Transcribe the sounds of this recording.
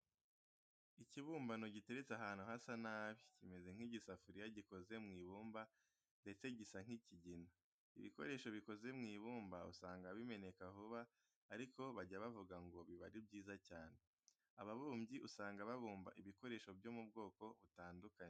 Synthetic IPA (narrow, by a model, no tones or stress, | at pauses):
iciβuːmbano̞ɟite̞ɾet͡saɦaːn̥uhasanaːβicime̞ze̞ŋ̥hiɟisafuɾijaɟikoze̞mŋiːβuːmba | nde̞t͡se̞ɟisaŋ̥hiciɟina | ḭβḭko̞̰ɾe̞ːʃo̞βiko̞ze̞mŋiːβuːmbaṵsaːŋɡaβime̞ne̞kavuβaː | ɾiko̞βaɟaβavuɡaŋɡo̞βiβa̰ɾibɟiːzacaːne̞ | aβaβuːmɟiʔusaːŋɡaβaβuːmba̰ʔiβiko̞ɾe̞ːʃo̞vjo̞ːmub̚ɡo̞ːko̞βutaːndukaɲe